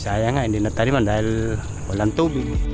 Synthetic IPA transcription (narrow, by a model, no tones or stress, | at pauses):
sajaŋaindinat̪aɾimandaɛl | ɔlant̪ubi